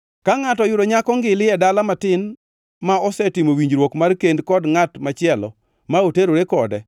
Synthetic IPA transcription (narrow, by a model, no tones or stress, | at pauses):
kaŋatɔjʊɾoɲakɔŋɡɪlɪɛdalamatɪn | maɔsɛtɪmowiɲd͡ʒɾwokmarkendkɔdŋatmat͡ʃɪɛlɔ̰ | maoteɾoɾekɔdɛ